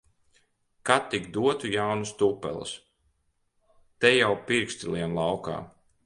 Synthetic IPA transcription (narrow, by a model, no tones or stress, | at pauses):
kat̪ːikd̪uɔt̪ujawnust̪upːɛ̰lˠṵs | t̪ɛjawpiɾkst̪ʲilʲˠiɛnlˠawka̰ː